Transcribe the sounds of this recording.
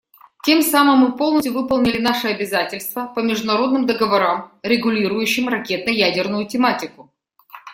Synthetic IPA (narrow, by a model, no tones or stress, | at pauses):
tʲe̞msamɨmːɨpo̞lˠnəstʲʊvɨpəlˠnʲɪlʲɪnaʂɨɐbʲɪzatʲɪlʲst̪vəpəmʲɪʐd̪ʊnɐɾo̞d̪nɨmd̪əɡəvɐɾamɾʲɪɡʊlʲiɾʊjʉɕːɪmrɐkʲe̞t̪̚nəjædʲɪrnʊjʊtʲɪmatʲɪkʊ